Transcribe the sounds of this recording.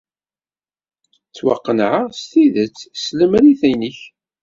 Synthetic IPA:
t͡sːwɑ̰qːənʕast̪iðət͡sːsləmæɾiθæjnəç

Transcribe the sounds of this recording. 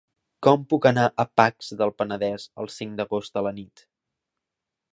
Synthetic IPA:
kɔmpukənaʔəpakzðəlˠpənəðɛzə̰lˠsiŋd̪əɣozd̪ələnit̪

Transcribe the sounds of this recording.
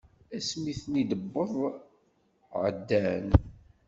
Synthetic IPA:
æsmiθnid̪əbːəðˤ | ʕə̰d̪ːæn

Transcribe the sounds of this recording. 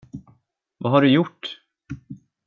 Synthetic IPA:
vaɦaɖɵjʊʈː

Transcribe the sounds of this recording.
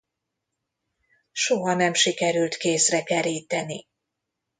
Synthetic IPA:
ʃoɦɒnɛmʃikɛɾylt̪keːsrɛkɛɾiːt̪ɛni

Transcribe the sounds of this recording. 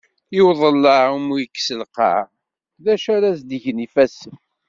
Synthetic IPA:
ɪwðˤəlːɑmujəkːsəlqɑ̰ | ðæʃaɾæzd̪iʝnifæsəf

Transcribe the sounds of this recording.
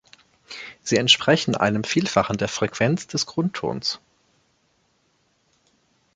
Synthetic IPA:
z̥iːɛntʃpʁ̥ɛçn̩ʔa̰ɪnəmfiːlfaχn̩deːɐfʁ̥ɛkv̥ɛnt͡sd̥ɛsɡ̥ʁʊntʰo̰ːns

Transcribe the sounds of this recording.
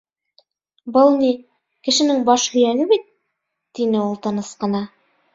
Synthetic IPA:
bɤlˠni | kɘ̆ʃɘ̆nɘŋbɑʃhɵ̆jælɘbit̪ː | inɘulˠt̪ɤ̆nɤsqɤ̆nɑ

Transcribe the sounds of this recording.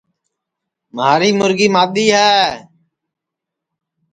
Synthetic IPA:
maːɾiːmʊɾɡiːmaːɗ̪iːɦɛː

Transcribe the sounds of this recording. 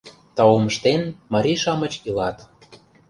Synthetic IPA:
t̪ɑoməʃt̪enmɑɾʲiʃɑmə̆t͡ɕilɑt̪

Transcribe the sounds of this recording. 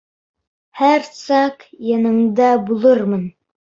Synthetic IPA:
hæɾsɑqjɑnɤ̆ɴd̪ɑbulˠɤɾmɤn

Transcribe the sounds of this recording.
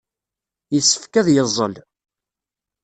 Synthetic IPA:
jəsːə̥fkæðjəzˤːə̰l

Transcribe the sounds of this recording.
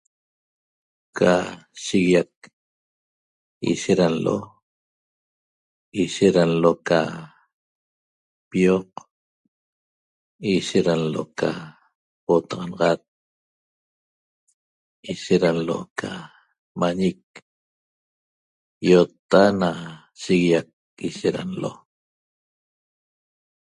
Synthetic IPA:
kʰaʃiɣijak̚ | ḭʃeɾanlo̰ | iʃeɾanloka | pioq | iʃeɾanlo̰ka̰ | ot̪ɑʁɑnɑʁɑt̪̚ | iʃeɾanlo̰kʰa̰ | maɲik̚ | jot̪ːana | ʃiɣijak̚ | iʃeɾa̰nlo̰

